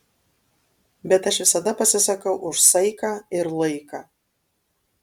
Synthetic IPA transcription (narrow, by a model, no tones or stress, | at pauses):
bʲɛt̪ɐʃʋʲɪsɐd̪ɐpɐsʲɪsɐkɐʊʔʊʃsɐɪkɑːɪɾlˠɐɪkaː